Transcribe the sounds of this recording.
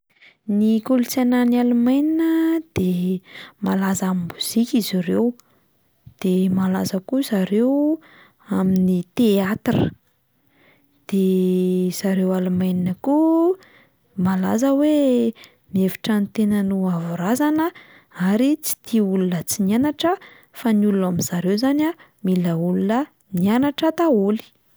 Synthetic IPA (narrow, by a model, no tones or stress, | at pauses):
nikolut͡sananalumajninəd̪̥e | malazamimuz̥ikʲiziɾew | d̪̥emalazəkuzaɾew | aminit̪eat̪rə̰ | d̪̥e | z̥aɾewalumajninəku | mala̰zəwe | nevi̥ʈ͡ʂanit̪enənuavuɾazanə | aɾit͡si̥t̪ʰiulunət͡sinianaʈ͡ʂə | fanulunamiz̥aɾewzana | miləulunə | nianaʈ͡ʂət̪aoli̥